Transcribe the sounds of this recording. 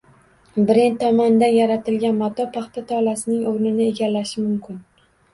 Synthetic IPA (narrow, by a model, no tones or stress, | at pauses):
bɪɾent̪ʰːɒmɒnd̪anjaɾat̪ʰɪlɡʲanmat̪ʰɒpʰaχt̪at̪ʰɒlasɪnɪŋoɾnɪnɪeɡʲalːaʃɪmʊmkʲʰɪn